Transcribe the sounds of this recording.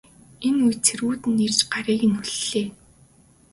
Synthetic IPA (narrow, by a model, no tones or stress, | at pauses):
enujt͡sʰeɾɣuːt̪ɘ̆nːer̥t͡ɕɢaɾiːɣɘ̆nuɮːeː